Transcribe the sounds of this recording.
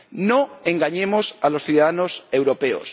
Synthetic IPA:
noẽŋɡaɲemo̞salo̞sθjuðaðano̞se̞wɾo̞pe̞o̰s

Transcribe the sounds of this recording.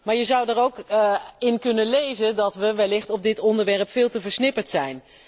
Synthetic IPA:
maːɹjəzʌwdəɹowkɪnkɵnənlejzəndɑtʋəʋɛlɪχtɔb̚dɪtɔndəɹʋɛɹpfɪːlˠtəvəɹsnɪpəɹtsɛjn

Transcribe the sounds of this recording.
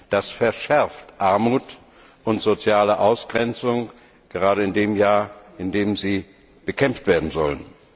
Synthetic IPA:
d̥asfɛɐʃɛɐftʔaɐmuːt | ʔʊntz̥ot͡sjaːləʔaʊsɡ̥ʁɛnt͡sʊŋ | ɡ̥əʁaːɾəɪndeːmjaːɐʔɪndeːmziː | b̥əkʰɛmftv̥eːɐdn̩zɔ̰lən

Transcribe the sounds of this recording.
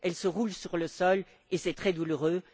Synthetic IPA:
ɛlsəʁulsyʁləsɔl | esɛt̪χɛd̪uluʁø

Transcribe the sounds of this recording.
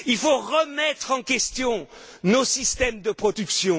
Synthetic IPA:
ilfoʁəmɛt̪χɑ̃kʲɛst̪jɔ̃ | nosist̪ɛmd̪əpχɔd̪yksjɔ̃

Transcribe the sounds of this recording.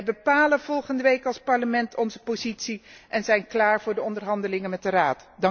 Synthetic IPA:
bəpaːlənv̥ɔlˠχəndəʋejkɑlˠspɑɹləmɛntʰɔnzəpozitsiʔɛnzɛjnklaːɹvʊːɹdəɔndərɦɑndəlɪŋənmɛt̚dəraːtdɑ

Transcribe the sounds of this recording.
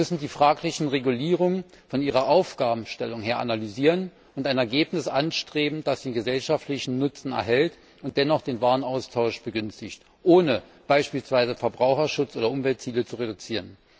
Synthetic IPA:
mʏsn̩diːfʁ̥aːklɪçn̩ʁeɡuliːʁ̞ʊŋə | fɔnʔiːʁɐʔaʊfɡ̥aːbm̩ʃtɛlʊŋheːɐʔanalyziːʁ̞ən | ʊntaɪnɛɐɡeːpnɪsʔanʃtʁ̥eːbm̩d̥asd̥eːnɡəzɛlʃaftlɪçn̩nʊt͡sn̩ɛ̰ɐɦɛlt | ʊnt̚d̥ɛnɔχd̥eːnvaːʁənaʊstʰaʊʃb̥əɡʏnstɪçt | ʔoːnəb̥aɪʃpiːlsv̥aɪzəfɛɐbʁaʊxɐʃʊt͡sʔoːdɐʔʊmvɛltt͡siːlət͡suʁedut͡siːʁən

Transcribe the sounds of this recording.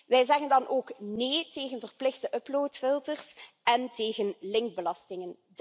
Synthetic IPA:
ʋɛjzɛɣəndɑnʔoːkneːteːɣənvərplɪxdəʔɵploːtfɪlˠtərs | ɛnteːɣənlɪŋɡ̚bəlɑstɪŋənd

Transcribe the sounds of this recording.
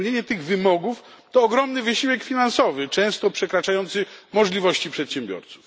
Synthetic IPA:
ɲeɲɛt̪ɘɣvɘmɔɡuft̪ɔːɡɾɔmnɘvɘɕiwɛkfʲinansɔvɘt͡ʂɛ̃w̃st̪ɔpʂɛkɾat͡ʂajɔnt̪sɘmɔʐlʲivɔɕt͡ɕipʂɛt̪ɕɛmbʲjɔ̰ɾt̪suf

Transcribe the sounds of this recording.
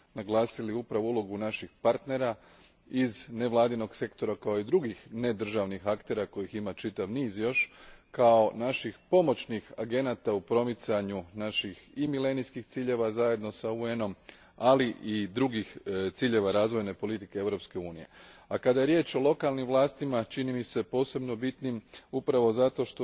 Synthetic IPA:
naɡlˠaːsiliupɾaʋoulˠo̞ɡunaʃixpaɾt̪ne̞ɾa | izne̞ʋlˠaːd̪ino̞ɡse̞kt̪o̞ɾakao̞id̪ɾuɡixne̞d̪r̩ʒaʋnixakt̪e̞ɾako̞jiximat͡ʃit̪aʋniːzjo̞ʃkao̞naʃixpo̞mo̞t͡ʃnixaɡe̞naːt̪aupɾo̞mit̪saɲunaʃiximile̞nijskixt̪siːʎe̞ʋazaje̞d̪no̞saueno̞m | aliʔid̪ɾuɡixt̪siːʎe̞ʋaɾaːzʋo̞jne̞po̞lit̪ike̞eʋɾo̞pske̞uːnije̞̰akad̪aje̞ɾje̞ːt͡ʃo̞lˠo̞kalˠnimʋlˠaːst̪imat͡ʃinimise̞po̞ːse̞bno̞bit̪nimupɾaʋo̞zat̪o̞ʃt̪o

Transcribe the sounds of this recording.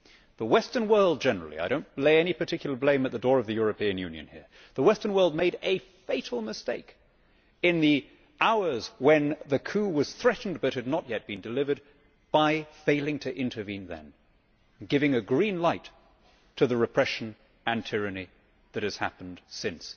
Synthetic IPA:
ðəwɛstə̃˞nwɜ˞lˠd̚d͡ʒɛnə˞l̩ˠḭa̰ɪɾõʊ̃nleɪɛñipʰə˞tʰɪkjl̩ˠə˞blẽɪ̃mɨt̪̚ðɨdɔɹʌvðɨjʊɹɨpiɨ̃njʉ̰̃njɨ̰̃nhḭɹ | ðəwɛstə̃˞nwɜ˞lˠd̚meɪɾɨfeɪɾl̩ˠmɨsteɪk | ɨ̃nði | ʔaʊə˞zwɨ̃nðɨkʰʉwʌz̥θɹɛʔn̩bʌt̚hɨdⁿnət̚jɛt̚b̥ɨ̃ndɨlɪvə˞d̚ | b̥aɪfeɪlˠɪ̃ŋtʰɨʔɪ̃ntʰə˞vĩnðɨ̰̃n | ɡɪvɪ̃ŋɨɡɹĩnlaɪtʰ | ɨðɨɹɨpʰɹ̥ɛʃn̩ | ɨ̃ntʰɪɹɨni | ðɨt̚hɨz̥hæ̰pn̩d̥sɪ̃ns

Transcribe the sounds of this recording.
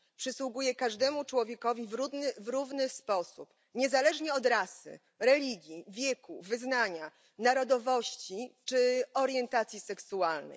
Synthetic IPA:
pʂɘswuɡujɛkaʐd̪ɛmut͡ʂwɔvʲjɛkɔvʲivɾud̪nvɾuvnɘspɔsṵp | ɲɛzalɛʐɲɛɔd̪ɾasɘ̰ | ɾɛlʲiɡʲjivʲjɛkuvɘznaɲa | naɾɔd̪ɔvɔɕt͡ɕit͡ʂɘɔɾjɛnt̪at̪sʲjisɛksualnɛ̰j

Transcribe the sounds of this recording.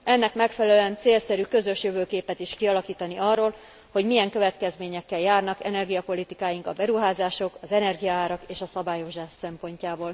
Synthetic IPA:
ɛnːɛkmɛkfɛlɛlɛnt̪seːlsɛɾykø̞zø̞ʃjøvøːkeːpɛt̪iʃkiɒlɒkiːt̪ɒniʔɒrːoːl | ho̞ɟmijɛŋkø̞vɛt̪kɛzmeːɲɛkːɛljaːrnɒkɛ̰nɛrɡijɒpo̞lit̪ikaːjiŋkɒbɛɾuɦaːzaːʃo̞kɒzɛnɛrɡijɒaːɾɒkeːʃɒsɒbaːjo̞ʒaːʃsɛmpo̞ɲcaːboːl

